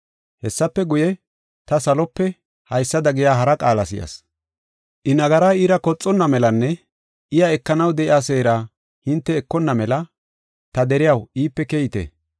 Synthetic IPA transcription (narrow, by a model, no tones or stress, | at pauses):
hɛsːɐpːɛɡʊjɛ | t̪ɐsɐlɔpːɛ | hɐjsːɐd̪ɐɡɪjaːɦɐɾɐkʼaːlɐsɪjɐ̰s | ʔɪnɐɡɐɾaːiːɾɐkɔt͡sʼːɔnːɐmɛlɐnːɛ | ʔɪjɐɛkːɐnɐwd̪ɛʔɪaːseːɾa | hɪnt̪ːɛːkːɔnːɐmɛlɐ | t̪ɐd̪ɛɾɪjɐwiːpːɛkɛjɪt̪ɛ̰